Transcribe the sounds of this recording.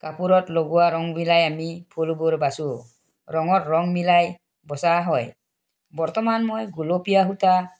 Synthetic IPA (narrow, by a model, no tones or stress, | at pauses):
kapuɾɔtlɔɡuwaɾɔŋmilajamipʰulbuɾbasu | ɾɔŋɔtɾɔŋmilaj | bɔsaɦɔj | bɔɾtɔmanmɔjɡulopijaɦuta